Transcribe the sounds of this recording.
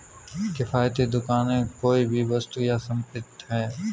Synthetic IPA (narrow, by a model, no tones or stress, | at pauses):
kɪfaːjt̪ed̪ʊkaːnẽkoːibʱiʋɐst̪ujasɐ̃mpɪt̪ɦɛː